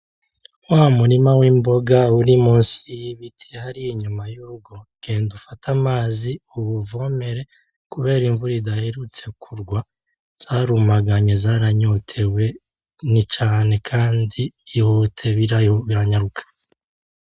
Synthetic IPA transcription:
waːmuɾimawiːmbo̞ɡauɾimuːnsijiβitʰehaɾiiɲumajuɾuɡo̞ɡ̥e̞ːndufatʰamaːziuβuvo̞me̞ɾe̞ | kuβe̞ːɾiɱvuɾidahe̞ɾut͡se̞kʰuɾɡwa | z̥aːɾumaɡaɲe̞zaːɾaɲo̞tʰe̞we̞ | nit͡ʃaːne̞kʰaːndiːhotʰe̞βiɾajoβiɾaɲaɾukʰḁ

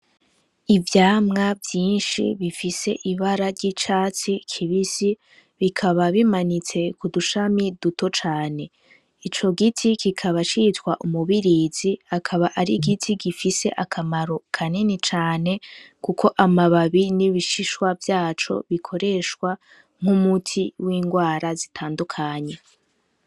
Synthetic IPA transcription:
ivjaːmŋavjiːnʃḭβifise̞ʔiβaɾaɾɟit͡ʃaːt͡sikʰiβisi | βikʰaβaβimanit͡se̞kuduʃamiduto̞t͡ʃaːne̞ | it͡ʃo̞ɡitʰikikʰaβat͡ʃitwaʔumuβiɾiːziakʰaβaʔaɾiɡitʰiɡifise̞̰ʔakʰamaɾo̞kʰaninit͡ʃaːne̞ | kukʰo̞ʔamaβaβiniβiʃiʃwavjaːt͡ʃo̞̰βikʰo̞ɾe̞ʃkwa | ŋ̥umutʰiwiːŋɡwaːɾazitʰaːndukʰaɲe̞

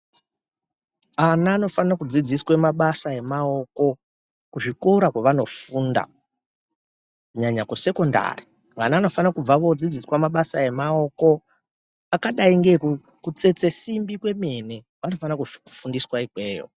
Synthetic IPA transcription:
anaːno̞fanakud͡zid͡ziswemaɓasae̞mao̞ko̞ | kuʐiko̞ɾakwaʋano̞funda̰ | kuɲaɲakuse̞ko̞nda̰ri | ŋanaːno̞fanakub͡vaʋod͡zid͡ziswamaɓasae̞mao̞ko̞ | akaɗaiŋɡe̞ku | kut͡se̞t͡se̞simbikwe̞me̞ne | ʋano̞fanakuku̥fundiswaikwe̞ːjo̰

